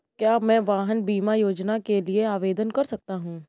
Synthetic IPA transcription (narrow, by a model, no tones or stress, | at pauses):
kjaːmɛ̃ːʋaːɦənbiːmajoːd͡ʒnakelieaːʋeːd̪ənkɐɾsɐk̚t̪aɦũː